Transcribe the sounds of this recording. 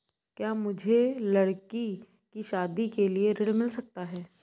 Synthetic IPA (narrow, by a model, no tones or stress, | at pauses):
kjaːmʊd͡ʒʱelɐɽki | kiʃaːd̪ikelieɾɪɽmɪlsɐk̚t̪aɦɛː